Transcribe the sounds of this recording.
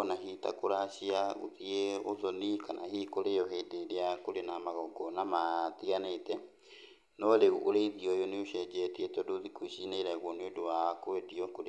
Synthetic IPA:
naɦita̰koɾaɕiao̰ðieoðɔnikanʔa̰hikoɾejɔɦedeɾeakoɾenamaɣɔɡɔnamatiɣanetɛ | nɔɾeɣuʔoɾeiðiɔjoneoʃɛd͡ʒɛteetɛodoðikwiʃineɾɛɣwɔneodowakoediɔkoɾ

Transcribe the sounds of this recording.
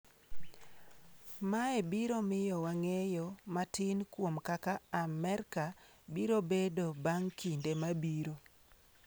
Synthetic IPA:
maebiɾomɪjɔwaŋejɔmatɪnkwomkakaːmɛɾkabiɾobedobaŋkʰindemabiɾo

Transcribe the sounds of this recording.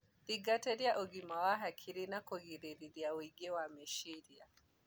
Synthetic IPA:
ðiɡatɛɾjaʔɔɡimawaɦakʰiɾinakɔɣiɾiɾiɾjawiɡɛwamɛʃiɾia

